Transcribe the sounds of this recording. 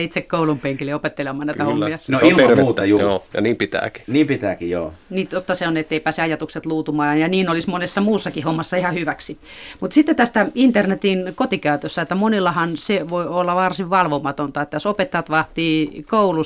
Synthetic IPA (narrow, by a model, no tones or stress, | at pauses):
it̪sekkoulumpeŋkileopet̪ːelemɑːnæit̪æhomːiɑnoilmreuːt̪ɑjujoːjɑ̰niːmpit̪æ̰ːki̥niːmpit̪æ̰ːkijo̰ːniːt̪jot̪ːɑseonet̪ːeipæːseɑjɑt̪ukset̪luːt̪umɑːnjɑniːnolismonesːɑmuːsːɑkihomːɑsːɑihɑhyʋæksi | mut̪sit̪ːet̪æst̪æint̪ernet̪inkot̪ikæøt̪øsːæet̪ːæmonilːɑhɑnseʋoiolːɑʋɑrsiʋʋɑlʋomɑt̪ont̪ɑet̪ːæjosopet̪ːɑjɑt̪ʋɑht̪ˑiːkoulu